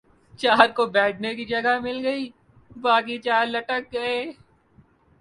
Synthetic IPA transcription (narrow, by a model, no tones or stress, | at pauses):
t͡ʃaːɾkobɛːʈʰnekid͡ʒɐɡamɪlɡɐiː | baːkit͡ʃaːɾlɐʈək̚ɡɐeː